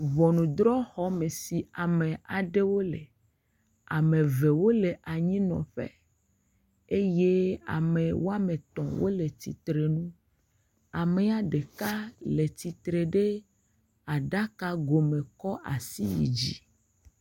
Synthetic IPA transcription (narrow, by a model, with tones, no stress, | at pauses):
vɔ˨nũ˨d̪ɾɔ˦xɔ˦me˨si˨a˨mẽ˨a˨ɖe˦wo˦lḛ˨ | a˨mẽ˨ve˨wo˦le˨ʔa˨ɲĩ˦nɔ̰̃˨ɸḛ˦ | e˦je˦a̰˨me˨wo˦a˦mẽ˨t̪ɔ̃˨wo̰˦le˨t̪i˨t̪ɾe˨nũ˦ | a˨me˨a˨ɖe˨ka˦le˨t̪i˨t̪ɾe˨ɖe˦ | a˨ɖa˦ka˦ɡo˨mẽ˨kɔ˦ʔa̰˨si˦jḭ˨d͡ʒi˦